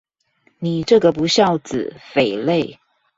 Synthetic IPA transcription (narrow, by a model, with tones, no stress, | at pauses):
ni˨˩ʈ͡ʂɤ˥˩ɡə˨˩pu˧˥ɕjɑ˥˩ʊt͡sɹ̩˨˩fe˨˩ɪle˥˩ɪ